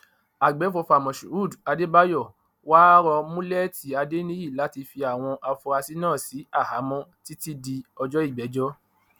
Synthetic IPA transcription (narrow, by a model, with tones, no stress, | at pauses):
a˨ɡ͡bɛ˨˦fo˧fa˨mɔ̃˨ʃu˨u˦˨da˧de˦ba˦jɔ˦˨ | wa˦ɾɔ˧mũ˦lɛ˦ti˨˦a˧de˦nĩ˦ji˦˨la˨˦ti˧fi˧a˨w̃ɔ̃˧ʔa˧fɔ˧ɾa˧si˦nãː˦˨si˨˦a˦˨ha̰˨˦mɔ̃˦ti˦ti˦di˧ɔ˧d͡ʒɔ˦i˦˨ɡ͡bɛ˨˦d͡ʒɔ˦